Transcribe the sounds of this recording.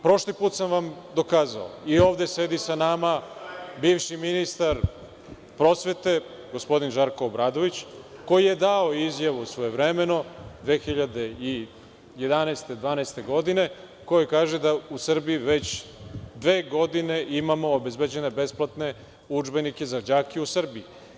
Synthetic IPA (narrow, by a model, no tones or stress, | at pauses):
pɾo̞ʃlipuːt̪samʋamd̪o̞kaːza̰o̰io̞ːʋd̪ese̞d̪isanamabiːvʃiminist̪aɾ | pɾo̞sʋe̞t̪e̞ | ɡospo̞d̪inʒaɾko̞ːbɾaːd̪o̞ʋit͡ɕko̞jije̞d̪ao̞izjaʋusʋo̞evɾeme̞no̞d̪ʋe̞ːxiʎad̪e̞i | je̞d̪anɛːst̪e̞d̪ʋaːnɛest̪e̞ɡo̞d̪ine | ko̞jikaːʒe̞d̪ausr̩biiʋe̞t͡ɕd̪ʋe̞ːɡo̞d̪ine̞ʔimamo̞ːbe̞zbed͡ʑe̞ne̞be̞splˠat̪ne̞ | ud͡ʒbe̞nike̞zad͡ʑaːkiusr̩bii